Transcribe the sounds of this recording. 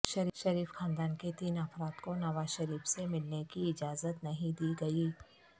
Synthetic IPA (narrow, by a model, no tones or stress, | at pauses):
ʃɐɾʃɐɾiːfxaːnd̪aːnket̪iːnɐfɾaːt̪konɐʋaːzʃɐɾiːfsemɪlnekiɪd͡ʒaːzət̪nɐɦĩd̪iːɡɐiː